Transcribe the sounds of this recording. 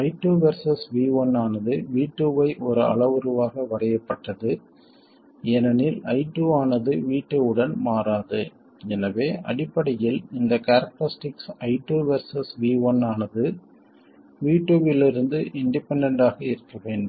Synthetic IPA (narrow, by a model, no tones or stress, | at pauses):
ɐɪʈːuːʋɐɾsɐsʋiːʋɔnaːnɐðɯʋiːʈːuːʋɐɪʔɔɾɯɐ̰ɭɐʋɯɾɯʋaːɣɐʋɐrɐjɐpːɐʈːɐðɯ | ɛnɐnɪlɐɪʈːuːaːnɐðɯʋiːʈːɯɯɽɐnmaːraːðɯ | ɛnɐʋeːʔɐ̰ɽɪpːɐɽɐjɪlɪnd̪ɐkɐɾɐk̚ʈɐɾɪsʈɪksɐɪʈːuːʋɐɾsɐsʋiːʋɔnaːnɐðɯ | ʋiːʈːuːʋɪlɪɾɯnd̪ɯʔɪɳɖɪpɛɳɖɐɳɖaːɣɐɪɾɯkːɐʋeːɳɖɯ